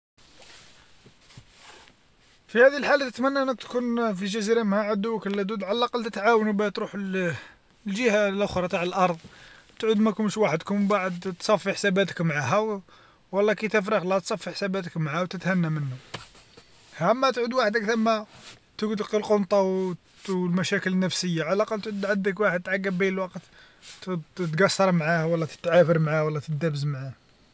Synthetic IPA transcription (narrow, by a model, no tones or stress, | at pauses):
fihæd̪iəlħalːæt̪ət̪mænːæʔnːæt̪kunfiʒæziɾamhæʕəd̪uwəkəlːæd̪ud̪ʕalːɑqɑlt̪ət̪ʕawnbæt̪ɾuħ | lʒəhalʔʊxɾˤɑt̪aʕəlʔɑɾˤd̪ˤ | t̪ʕud̪mækʊnʃwaħəd̪kʊmbaʕəd̪t̪sˤɑfːiħsæbæt̪ə̥kmʕaɦæw | wɑlˤːɑkit̪əfɾixlæt̪sˤɑfːiħsæbæt̪əkmʕawt̪ət̪hænːæmənːu | hæmːæt̪ʕud̪waħəd̪kθəmːæ | t̪əɡd̪əqilqont̪ˤɑw | lmæʃækələnːæfsəjːaʕalæqɑlt̪ʕud̪ʕəd̪ːəkwaħəd̪̚t̪ʕaɡːəbːiəlwɑqt̪ | t̪ɡɑsːɑɾˤmʕahwɑlːɑt̪ə̥t̪ːʕafəɾmʕawɑlːɑt̪əd̪æbəzmʕah